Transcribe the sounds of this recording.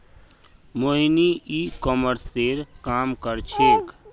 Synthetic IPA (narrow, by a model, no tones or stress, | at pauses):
moɦiniikɔməɾseɾkaːmkəɾt͡ʃʰeːk